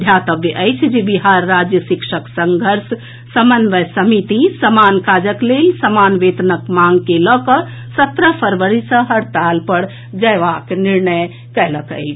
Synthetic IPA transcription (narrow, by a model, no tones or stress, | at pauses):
d̪ʱjat̪əbjəʔəjt͡ʃʰd͡ʒebiɦaɾːad͡ʒjəʃikʃəksəŋɡʱəɾs | səmənʋəsəmit̪isəmankad͡ʒəklelsəmanʋet̪ənəkmaŋɡkelɔkə | sət̪ɾəpʰəɾʋəɾisə̃ɦəɾt̪alpəɽ | d͡ʒəjʋakniɾnəj | kɛləkə̰jt͡ʃʰ